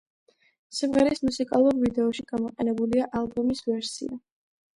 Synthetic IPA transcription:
simʁɛɾismusikʼalˠuɾvid̪ɛɔʃiɡ̥amɔqʼɛnɛbuliaʔalˠbɔmisvɛɾsḭa

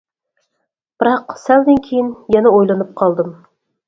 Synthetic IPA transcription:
b̥ɨɾɑqsæld̪ɪnkʲʰejinjɛnɛojlˠɑnɨp̚qʰɑlˠd̪ɨm

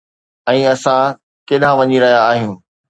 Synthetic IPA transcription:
ɛ̃ːɐsã | kɪɗãʋɐɲiɾɐɦijaːɦijũː

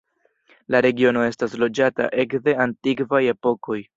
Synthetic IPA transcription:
laɾe̞ɡio̞no̞e̞staslo̞d͡ʒata̰ʔe̞kde̞antikvaje̞po̞ko̞j

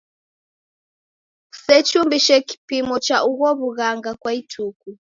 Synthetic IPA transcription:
sɛt͡ʃumbiʃɛki̥pimɔt͡ʃaʔuɣɔβuɣaŋɡakwaitʰuku

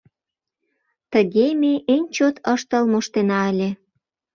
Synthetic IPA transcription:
t̪əɣemeʔenʲt͡ɕot̪ʰəʃt̪ə̆lmoʃt̪enɑəlʲe

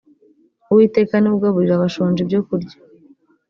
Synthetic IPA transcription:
uwiːte̞ːkaniβuɡaβuɾiɾaβaʃoːnd͡ʒibjokuɾɟḁ

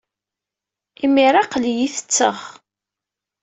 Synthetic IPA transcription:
imiɾˤaqljiθə̥t͡sːə̰χ

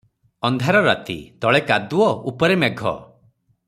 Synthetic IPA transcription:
ɔnd̪ʱaɾɔɾa̰t̪ḭt̪ɔɭekad̪uɔupɔɾemeɡʱɔ̰

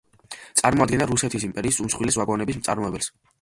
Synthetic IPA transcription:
t̪sʼaɾmɔad̪̚ɡɛnaɾusɛt̪ʰisimpʼɛɾiːsumsχwilisvaɡɔnɛbis̬mt̪sʼa̰ɾmɔɛbɛls

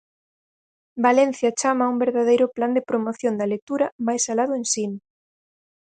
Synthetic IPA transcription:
balɛn̟θjɐt͡ʃamɐumbeɾðaðejɾʊpland̪ɪpɾomoθjond̪ɐlek̚t̪uɾɐmajsalaðʊensinʊ

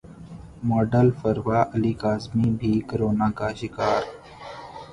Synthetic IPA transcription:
mɔːɖəlfəɾʋaːʔəliːkaːzmiːbʱiːkəɾoːnaːkaːʃɪkaːɾ

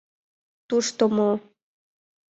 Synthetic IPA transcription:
t̪uʃt̪omo

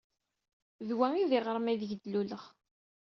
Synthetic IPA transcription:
ðwæiðɪʁɾˤmæðəʝd̪luləʁ

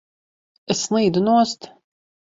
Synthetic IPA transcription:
ɛslˠiːd̪unuɔst̪

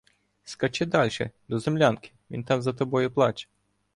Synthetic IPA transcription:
skɐt͡ʃɪd̪alʲʃɛ̰d̪ɔzɛmlʲankʲɪ̥mʲḭnt̪ɑmzɐt̪ɐbojʊplˠat͡ʃɛ̥

